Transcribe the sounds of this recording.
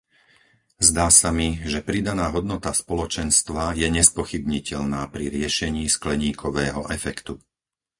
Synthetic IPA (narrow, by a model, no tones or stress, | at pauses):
zd̪aːsamiʒɛpɾid̪anaːɦɔd̪nɔt̪aspɔlɔt͡ʃɛnst̪ʋajɛɲɛspɔxibɲicɛʎnaːpɾiɾɪɛʃɛɲiːsklɛɲiːkʰɔʋɛːɦɔʔɛfɛkt̪u